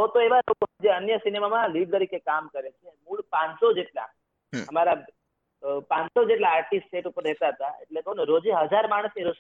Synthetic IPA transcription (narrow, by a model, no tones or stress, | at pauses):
ɦot̪oeʋalokoɦd͡ʒeənjəsinemamãliɖt̪əɾikekamkəɾet͡ʃʰemuɭpãnsod͡ʒeʈla̰ | ɦəmaɾa | pãnsod͡ʒeʈ̬laːɾʈisʈʈeʈupəɾɾɛɦt̪aɦət̪aḛʈlekoneɾod͡ʒeɦəd͡ʒaɾmaɽ̃əseɾos